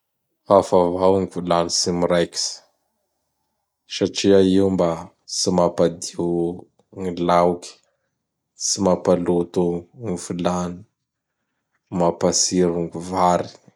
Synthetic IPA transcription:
afavawŋivulanisimiɾajki̥sə̥ | ʃaʈ͡ʂiaiumba | simapad̪i | ŋilawkʲi̥ | simapalut̪uŋifulani̥ | mapasiɾuŋɡuvaɾi

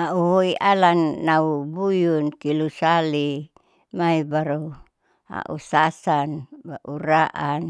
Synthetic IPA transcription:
auɦoiʔalanːaubujunkilusali | maibaɾu | a̰ʔusasanbaʔuɾaʔan

